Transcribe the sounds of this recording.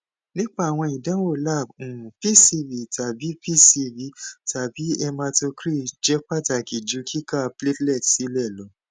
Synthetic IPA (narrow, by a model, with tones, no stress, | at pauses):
nĩ˦k͡pa˦˨w̃ɔ̃˧i˨dã˨˦wo˦˨la˦˨bũ˨ũ˨pi˦˨si˧vi˨ta˨bi˨˦pi˦˨si˧vi˧˦ta˨bi˨˦ɛ˧mã˧to˧kɾi˦˨d͡ʒɛ˨˦k͡pa˦˨ta˨ki˨d͡ʒu˨˦kʰi˦ka˦˨ple˦tlɛ˦˨tsi˨˦lɛ˦˨lɔ˨˦